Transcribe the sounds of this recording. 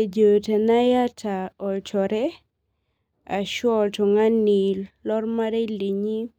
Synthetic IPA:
e˨d͡ʒo˨te˨na˦ja˦tʰa˨ɔ˨t͡ʃɔ˨ɾɛ˦ | a˨ʃɔ˦ltʊ˨ŋa˦ni˨llɔ˦rma˦ɾe˦li˨ɲi˦

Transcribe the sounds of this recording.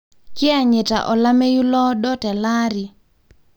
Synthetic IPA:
ki˦a˨ɲe˨ta̰˨ʔɔ˨la˦mɛ˦ju˦lɔ˦ɗɔ˦tɛ˨la˦ɾi˨

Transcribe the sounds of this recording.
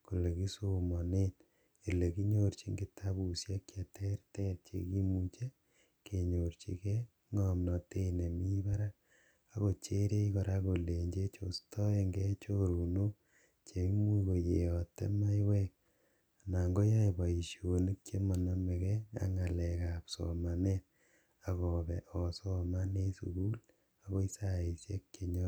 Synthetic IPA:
ko˨le˨ki˦so˦mɔ˨ne˦t | e˨le˨ki˦ɲo˦ɾt͡ʃi˦ŋɡi˦tʰa˦pu˨sja˦kja˨tʰɛ˦ɾtɛ˦t͡ʃḛ˨ki˦mu˦t͡ʃe˦ | ke˨ɲo˨ɾt͡ʃḭ˨kɛ˦ | ŋɔ˦mnɔ˨te˦i˨ne˨mi˦ba˦ɾa˦ | a˦ko˨t͡ʃe˦ɾe˦ikɔ˨ɾa˦ko˨le˨ɲd͡ʒe˦t͡ʃo˨stɔ˦e˦ŋɡe˦t͡ʃo˦ɾu˨no˦ | t͡ʃe˨˦mu˦ko˨je˨jɔ˨tḛ˦ma˦jwe˦k̚ | a˨na˨ŋɡo˦ja˦iba˨i˨ʃjo˨ni˦k̚t͡ʃe˦ma˨na˦me˨kɛ˦a̰˦ŋa˨lɛ˨ka˨psɔ̰˨ma˨net̚ | akɔ˨bɛ˨ʔɔ˨sɔ˦ma˦ne˦sṵ˨ku˦l | a˨ko˦i˦sa˦e˨sje˦k̚ke˨ɲɔ˦

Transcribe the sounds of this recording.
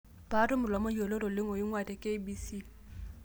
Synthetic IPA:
b̥a˨˦ɾʊ˦mʊ˨lwa˨mɔ˦d͡ʒo˨lo˦ɾʊ˨lɪ˦ŋɔ˨ɪ˦ŋwa˨dɛ˨kʼe˦bi˦si˦

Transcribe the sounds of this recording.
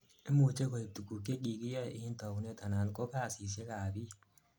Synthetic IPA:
ɪ˦mu˨t͡ʃe˦kɔ˨i˨t̪u˨ɡu˨kːe˦ki˨ɡi˦ja˦ɪ˨hi˦nt̪ɔ˨kne˦t̪a˨na˨nkɔ˦ka˦˨si˨s̬e˦kaː˨bi˦

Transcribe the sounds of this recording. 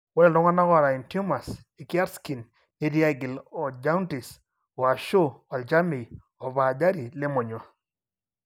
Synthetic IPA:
wɔ˦lɛ˨lɔ˦ŋa˦na˦ɣɔ˦ɾa˨i˨ntu˦ma˨s | e˨ki˦a˦ɾski˨nː | e˦ɾi˦a˦˨ɡɪ˨lɔ˨d͡ʒa˦u˦nti˨s | ɔ˨a˨ʃo˦a˨ld͡ʒa˦mi˨ | ɔ˨βa˨da˦ɾi˨le˦mo˨ɲɔ˨

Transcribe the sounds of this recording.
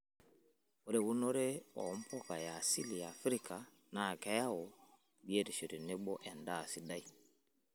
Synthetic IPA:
o˦ɾe˦wu˦nɔ˦ɾe˦ɔ̰˨˦m̩˦pʰɔ˦ka˨ja˨si˦li˨a˨fɾi˦ka˨ | na˨kɛ˦ja˦ɔ˨ | bi˦e˦˨ɾi˨ʃi˨ɾi˨ne˦bɔ˦ʔɛ˨nda˦˨si˦da˦i˦˨

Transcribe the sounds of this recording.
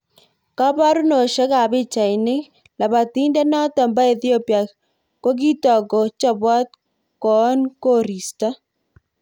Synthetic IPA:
ka˦ba˦ɾʊ˦no˨ʃe˦ka˨bɪ˦t͡ʃa˨jnɪ˦ | la˨ba˨ti˦nde˦nɔ˦tɔ˨mba˦e˨θi˦o˦pja˨ | ko˦ɡ̬i˦tɔ˨ko˨t͡ʃa˦bwɔ˦t̚ | kɔ˨˦nko˦ɾi˨sta˦

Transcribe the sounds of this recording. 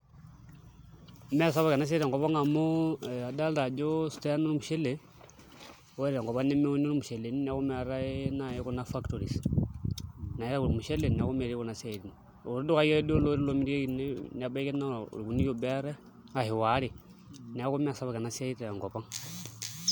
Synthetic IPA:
me˦s̬a˦βa˨ke˨na˦s̬e˦ɾa˨ŋɡo˨pa˦ŋa˨mo˦a˨da˦lta˨d͡ʒo˦su̥˨te˦no˦li˦mu˨ʃe˦le˨˦ | we˦ɾa˨ŋɡo˨pa˦ne˦me˦o˦n˦o˦li˦mu˨ʃe˨le˨ni˦ni˦a˦ko˦ma˨ɾa˦ena˦˨je˦ko˦na˦fa˦kto˨ɾi˨s | na˨je˦ɾa˦ku˨ɾi˨mu˨ʃe˦le˨n˨a˨ku˦me˨ɾi˦ku˦na˨sa˦˨ɾi˨ni | o̰˨ɾi˦du˦ka˦e˦ɾe˦di˦o˦lo˦ɾi˦lo˨˦mi˦ɾi˦e˦ki˨ne˦ni˨a˨ba˦ke˦na˦ṵɾku˨ni˦jo˨be˦ɾe˦ | a˨hi˨wa˨˦ɾe˨ | ni˨a˦ko˦m˦a˨sa˦βa˨ka˨na˨sa˦i˦ɾe˨a˨ŋɡo˨pa˦ŋ

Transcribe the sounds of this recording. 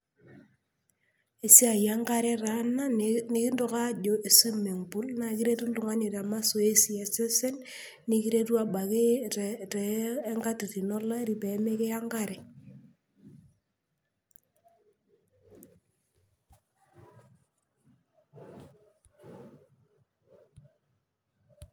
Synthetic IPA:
e˨si˦a˨ja˦ŋka˦ɾɛ˦ɾa˨˦na˦ni˨˦ki˦ndo˦ka˦d͡ʒo˨ʔe˨si˦me˨ŋpʊ˦lna˨˦ki˦ɾe˦tu˦n̩˦tʊ˨ŋa˦ɲe˨ta˨ma˦so˨e˦si˨ɛ˨se˦sɛ˦n | ni˦ki˦ɾe˦tu˦a˨ɓa˨ke˦tɛ˨e˦ŋka˦ti˨ti˨nɔ˦la˦ɾi˨pe˨˦me˦kɪ˦ja˦ŋɡa˦ɾɛ˨

